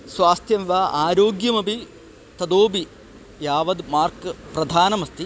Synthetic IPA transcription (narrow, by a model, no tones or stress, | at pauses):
sʋaːst̪ʰjɐmʋaːʔaːɾoːɡjɐmɐbʱi | t̪ɐd̪oːbi | jaːʋɐd̪maːrkɨpɾɐd̪ʱaːnɐmɐst̪i